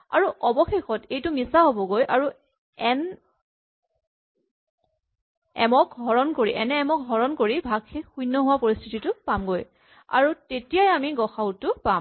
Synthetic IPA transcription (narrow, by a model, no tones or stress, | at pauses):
a̰ɹuʔɔbɔxexɔtejtʊmisaɦobɔɡojʔaɹu | ɛn | ɛmɔk̚ɡʱɔɹɔnkoɹiʔɛnɛɛmɔk̚ɦɔɹɔnkoɹibʱaɡxexujnːɔɦʊwapoɹistʰititʊpamɡoj | a̰ɹutetijajamiɡɔxaʊtʊpam